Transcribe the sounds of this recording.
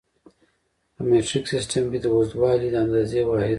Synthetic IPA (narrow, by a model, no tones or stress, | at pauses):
əmeʈɾiksɪsʈəmbid̪əuzd̪wɑːlid̪əand̪ɑzewɑːhɪ